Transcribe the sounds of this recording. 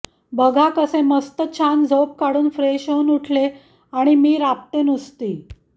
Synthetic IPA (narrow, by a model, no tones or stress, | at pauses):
bəɡʱakəseməst̪ət͡ɕʰand͡zʱop̚kaɽuːnfɾeɕəwnuʈʰle | aɽ̃imiːɾap̚t̪enust̪iː